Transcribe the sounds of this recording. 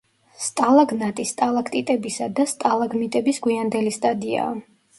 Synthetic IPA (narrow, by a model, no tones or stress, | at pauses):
st̪ʼalˠaɡnat̪ʼist̪ʼalˠakʰt̪ʼit̪ʼɛbisad̪ast̪ʼalˠaɡmit̪ʼɛbisɡwiand̪ɛlist̪ʼad̪ia̰